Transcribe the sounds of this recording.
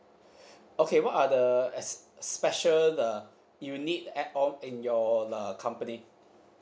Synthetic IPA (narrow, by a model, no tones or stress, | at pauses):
okʰewɔtadəɛsspɛʃələ | junit̚ɛt̚ɔ̃mɪ̃njɔəkʰãmpəni